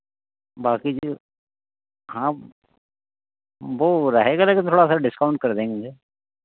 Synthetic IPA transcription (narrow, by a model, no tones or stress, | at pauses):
baːkid͡ʒ | ɦãː | ʋoːɾəɦeːɡaleːkɪnt̪ʰoːɽasaɖɪskaʊɳʈ̚kəɾd̪ẽːŋɡɡe